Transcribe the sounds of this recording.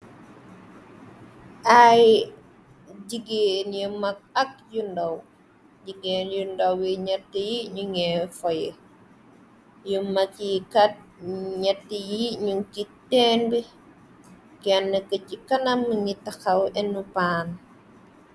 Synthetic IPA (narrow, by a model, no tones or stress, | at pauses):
ʔaj | ɟiɡenjumɐk̚ɐk̚jundɐw | ɟiɡeːnjundɐwwiɲɐtːijiɲuŋɛfɔjɛ | jumɐkjikɐt̚ɲɛtːijiɲuŋkitːɛnbi | kɛnːəkəcikɐnɐmːəɲitɐxɐwɛnːupaːn